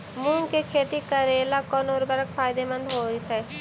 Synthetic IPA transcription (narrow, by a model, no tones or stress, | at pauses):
mũːŋkekʰeːt̪ikəɾeːlakɔnoːɾbɐɾəkpʰaːjd̪emɐ̃nd̪ɦoːit̪e